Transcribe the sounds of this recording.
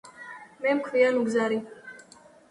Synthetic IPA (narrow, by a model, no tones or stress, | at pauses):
mɛmkʰvianuɡzaɾi